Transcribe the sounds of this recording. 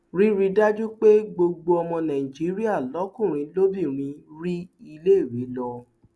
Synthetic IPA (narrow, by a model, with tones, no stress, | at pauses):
ɾi˦ɾi˧da˦d͡ʒu˦k͡pe˦ɡ͡bo˧ɡ͡bo˧ɔ˧mɔ̃˧nã˨i˨d͡ʒi˨˦ɾi˦a˦˨lɔ˨˦kũ˦˨ɾ̃ĩ˨˧lo˦bi˦˨ɾ̃ĩ˧˦ɾi˦i˧le˦i˦˨ɾe˨˦lɔ˧